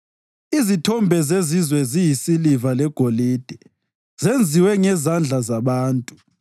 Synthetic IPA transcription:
izitʰɔmbʱɛzezizwɛzijisilivalɛɡ̥ʱoliːd̥ʱɛ | zend͡zʱiwɛŋɛzand͡ɮʱazaβaːntʼu̥

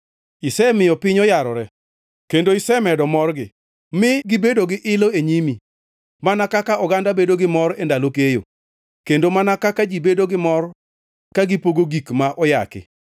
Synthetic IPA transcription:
ɪsɛmɪjɔpɪɲɔjaɾɔɾɛ | kendoɪsɛmɛdɔmɔrɡɪ | mɪɡɪbedoɡɪʔɪloeɲimi | manakakaɔɡandabedoɡɪmɔɾendalokejo̰ | kendomanakakad͡ʒibedoɡɪmɔɾ | kaɡɪpoɡoɡikmaʔɔja̰kɪ̰

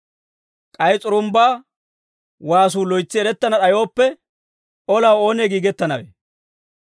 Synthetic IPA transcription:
kʼɐjt͡sʼʊɾʊmbaː | waːs̬uːlɔjt͡sːɪɛɾɛt̪ːɐnɐɗɐjo̞ːpːɛ | ɔlawoːneːɡiːɡɛt̪ːɐnɐwḛ

